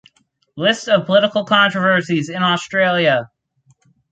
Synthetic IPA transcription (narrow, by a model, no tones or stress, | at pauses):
lɪstʌv̥pʰəlɪɾəkl̩ˠkʰɑ̃nt͡ʃɹ̥əvɜ˞sizɪ̃nɔstɹ̥eɪlˠjə